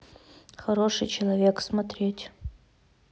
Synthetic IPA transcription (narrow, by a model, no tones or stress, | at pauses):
χɐɾo̞ʂɨjt͡ɕʰelˠɐvʲeksmat̪ɾʲetʲ